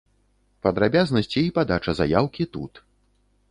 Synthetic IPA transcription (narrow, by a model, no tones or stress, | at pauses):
pɐd̪ɾabʲaznɐsʲt͡sʲiːpad̪at͡ʂɐza̰jawkʲit̪ṵt̪